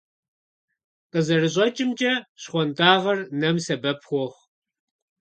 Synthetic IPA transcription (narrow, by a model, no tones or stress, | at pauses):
qəzɐrɨɕʼɐt͡ʃʼɪmt͡ʃʼɐɕχʷɔntʰaːʁɐrnɐmsɐbɐpʰχʷɔχ